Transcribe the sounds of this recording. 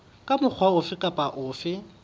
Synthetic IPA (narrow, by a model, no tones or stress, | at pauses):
kʼamʊk͡xʰwaʊfɪkʼapʼaʔʊːfɪ